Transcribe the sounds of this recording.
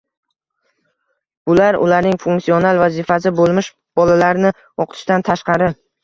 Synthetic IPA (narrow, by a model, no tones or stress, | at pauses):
b̥ʊlaɾʊ̰laɾnɪŋfuŋksio̞nalˠvazɪfasɪbolˠmɪʃ | b̥ɒlalaɾnɪ | ɒqt̪ʰɪ̥ʃt̪ant̪ʰaʃqɑɾɪ